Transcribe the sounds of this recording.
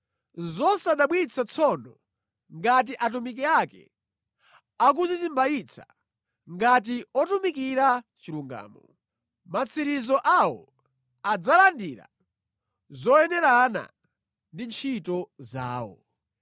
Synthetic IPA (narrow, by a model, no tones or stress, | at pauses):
zɔsaɗaɓwit͡sʰat͡sʰɔnɔ | ŋɡat̬iʔat̬umik̬ɛakɛ̰ | ak̬uzizimbajit͡sʰa̰ | ŋɡat̬iɔtumikiɾat͡ʃiluŋɡa̰ːmɔ | mat͡sʰiɾizɔʔawɔ̰ | ad͡zalandiɾa̰ | zɔjɛnɛɾana̰ | ndint͡ʃʰitɔza̰ːwɔ̰